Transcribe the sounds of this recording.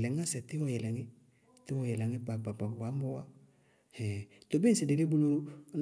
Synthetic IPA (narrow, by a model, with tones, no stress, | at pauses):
lɛ˨ŋ˦a˦sɛ˨t̪ɪ˦wɔ˨jɛ˨lɛ˨ŋɪ˦ | t̪ɪ˦wɔ˨jɛ˨lɛ˨ŋe˦pa˨k͡pa˨k͡pa˨a˨˦mo˦wa˦ | hɛ˨t̪o˨be˦n̩˦se˨de˨le˦bu˦lo˦n